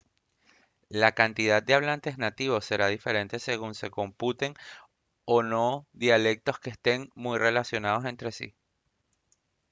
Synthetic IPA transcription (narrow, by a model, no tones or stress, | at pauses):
lakant̪iðad̪̚d̪eaβ̞lant̪e̞znat̪iβ̞o̞sːe̞ɾaðife̞ɾe̞nt̪e̞se̞ɣunse̞ko̞mput̪e̞ŋ | ono̞ðjale̞k̚t̪o̞skeːst̪e̞ŋmujre̞lasjo̞nað̞o̞se̞nt̪ɾe̞sḭ